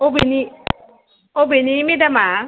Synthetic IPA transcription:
obeni | obenĩmidama

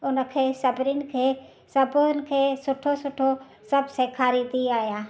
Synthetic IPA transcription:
ʊnkʰesɐbɾɪnkʰe | səbonkʰesʊʈʰosʊʈʰo | sɐbsekʰaːɾid̪iaːjaː

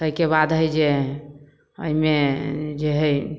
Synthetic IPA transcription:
əjkebad̪ɦəjd͡ʒe | ə̰imed͡ʒeɦəj

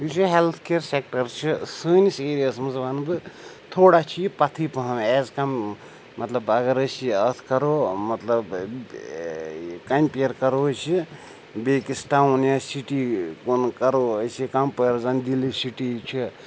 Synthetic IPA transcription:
jusiɦelt̪ʰkeɾsek̚ʈəɾt͡ʃʰisəːniseɾijəsmɐzʋaːnbɨ | t̪ʰoːɽat͡ʃʰipɐt̪ʰipəɦɐmeːzkamː | ɐt̪lɐbɐɡəɾəjsiət̪ʰkɐɾomɐt̪ləb | kampeɾkɐɾosʰi | bekisʈaunjasiʈikonkɐɾoəjsikampəjɾzand̪ilisiʈit͡ʃʰi

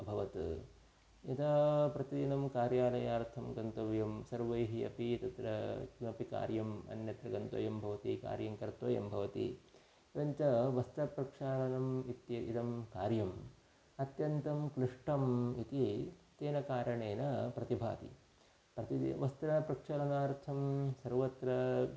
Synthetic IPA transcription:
bʱɐʋɐt̪ | it̪ɐpɾɐt̪id̪inɐmkaːɾjaːlɐjaːɾt̪ʰɐmɡɐnt̪ɐʋjɐmsɐɾʋɐjɦiɐ̰pit̪ɐt̪ɾɐɐpika̰ːɾjɐmɐ̰njɐt̪ɾɐɡɐnt̪o̰ːjɐmbʱɐʋɐt̪ika̰ːɾjɐŋkɐɾt̪ʋo̰ːjɐ̰mbʱɐʋɐt̪ḭ | ʋɐɲt͡ʃɐʋɐst̪ɾɐpɾɐkʂaːlɐnɐmit̪jɐʔḭt̪ɐmkaːɾjɐm | ɐt̪jɐnt̪ɐmkɾiʂʈɐmit̪it̪eːnɐkaːɾɐɳeːnɐpɾɐt̪ibʱa̰ːt̪ḭ | pɾɐt̪id̰ʋɐst̪ɾɐpɾɐkʂɐːlɐnaːɾt̪ʰɐmsɐɾʋɐt̪ɾɐ

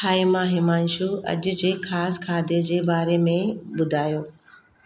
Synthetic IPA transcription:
aːimãːɦɪmaːnʃuɐ̰ʄʊd͡ʑeːkʰaːskʰaːd̪ʱed͡ʑeːbaːɾemẽbʊd̪ʱaːjoː

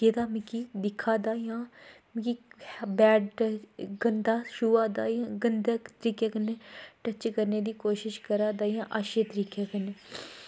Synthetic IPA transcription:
eːd̪aːmɪ̃kiːd̪ɪkʰaːd̪aːjãː | mkibɛːɖɡənd̪aːʃuːʋaːd̪aːjãːɡənd̪əkt̪əɾiːkekənːeːʈət͡ʃkəɾneːd̪iːkoːʃɪʃkəɾaːd̪aːjãːʔaːʃet̪əɾiːkeːkəne

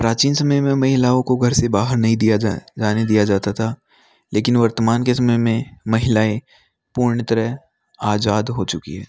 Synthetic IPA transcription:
pɾaːt͡ʃiːnsɐməjmẽmɐɦɪlaːõkoɡʱɐɾsebaːɦəɾnɐɦĩd̪ijad͡ʒaːned̪ijad͡ʒaːt̪at̪ʰaː | leːkɪnʋɐɾt̪əmaːnkesɐməjmẽmɐɦɪlaːe | puːɾɳət̪ɐɾəɦ | aːzaːd̪ɦot͡ʃʊkḭɦɛː

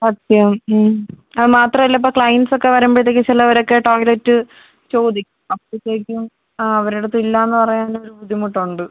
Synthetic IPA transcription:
ɐt̪ːjɐɐmː | ɐðɨmaːt̪rɐmilːɐip̬ːoːkɭɐjnsokːe̞ʋɐɾɐmbeɭt̪̬ːekʲːɨt͡ɕilɐʋɐɾo̞kːe̞ʈo̞ːjletːɨ | t͡ɕo̞ːd̪ikʲːuɐpːoit̪ːeːkʲːum | ɐʋɐɾuɽut̪ːilːaːenːɨpɐrɐjaːno̞ɾubud̪ʱːimuʈːɐuɳɖɨ

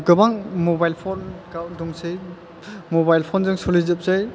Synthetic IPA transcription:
ɡɯbaŋmɔbajlpʰɔnkawdɔŋsɯj | mɔbajlpʰɔnzɯŋsɔlizɯp̚zaj

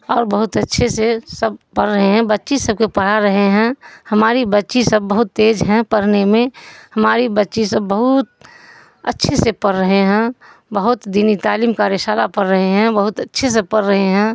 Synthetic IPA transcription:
ɔːɾbəɦʊt̪ətːʃʰesesəb̚pəɾːəɦeɦɛ̃bətːʃisəb̚kepəɽ̤aɾəɦeɦɛ̃hɐmaːɾibətːʃisəbːəɦʊt̪ːeːd͡ʒɦɛ̃pəɾnemẽhɐmaːɾibətːʃisəbːəɦʊt̪̚ | ətːʃʰesepəɾːəɦeɦɛ̃ | bəɦʊt̪d̪iːnit̪aːliːmkaɾɪsaːlapɐɾːəɦeɦɛ̃bəɦʊt̪ətːʃʰes̬epəɾːəɦeɦɛ̃ː

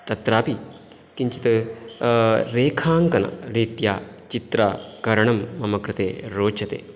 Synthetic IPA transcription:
t̪ɐt̪ɾaːpi | kiɲt͡ʃit̪ɐ | ɾeːkʰaːŋkɐnɐ̰ɾiːt̪jaː | t͡ʃit̪ɾaːkɐɾɐɳɐmːɐmɐkɾɨt̪ḛːɾoːt͡ʃʰɐt̪ḛː

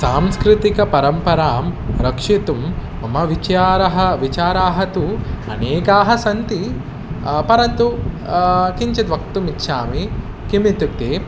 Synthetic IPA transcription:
saːmskɾɪt̪ikɐpɐɾɐmpɐɾaːmɾɐkʂit̪um | ɐmɐʋit͡ʃaːɾɐɦɐʋit͡ʃaːɾaːɦɐt̪uɐ̰neːkaːɦɐsɐnt̪i | pɐɾɐnt̪u | kiɲt͡ʃɐd̪ʋɐk̚t̪umitːʃaːmi | kimit̪uk̚t̪eː

